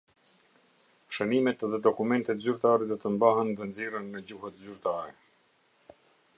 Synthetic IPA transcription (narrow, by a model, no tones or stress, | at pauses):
ʃənimɛt̪ðɛd̪ɔkumɛnt̪ɛt̪zyɾt̪aɾɛd̪ɔt̪əmbaɦənðɛnd͡zirənːəd͡ʑuhət̪zyɾt̪aɾɛ